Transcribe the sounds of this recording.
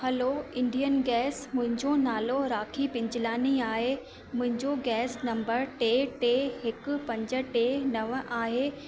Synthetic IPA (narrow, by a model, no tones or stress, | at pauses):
hɐloɪ̃ɳɖijənɡɛːsmʊ̃ɦɪ̃ɲd͡ʑonaːloɾaːkʰipɪ̃ɲd͡ʑɪlaːniaːɦe | mʊ̃ɦɪ̃ɲd͡ʑoɡɛːsnɐ̃mbəɾʈeːʈeːɦɪk̆pɐ̃ɲd͡ʑə̆ʈeːnɐʋʔaːɦeː